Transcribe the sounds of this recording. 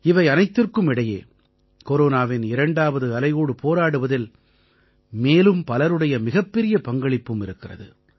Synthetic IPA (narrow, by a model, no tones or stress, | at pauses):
ɪʋɐɪɐnɐɪt̪ːɪrkɯmɪɽɐjḛː | koɾoːnaːʋɪnɪɾɐɳɖaːʋɐðɯɐlɐjoːɽɯpʰoːɾaːɽɯʋɐðɪl | meːlɯmpɐlɐɾɯɽɐjɐmɪɣɐpːɛɾɪjɐpɐŋɡɐɭɪpːɯmɪɾɯkːɪrɐ̰ðɯ